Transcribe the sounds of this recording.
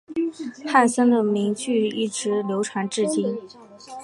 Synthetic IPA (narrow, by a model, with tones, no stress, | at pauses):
xa˥˩nsə˥nd̪ə˨mi˧˥ŋt͡ɕy˥˧i˥˩ʈ͡ʂɻ̩˧˥ljo˧˥ʊʈ͡ʂʰwa˧˥nʈ͡ʂɻ̩˥˩t͡ɕi˥n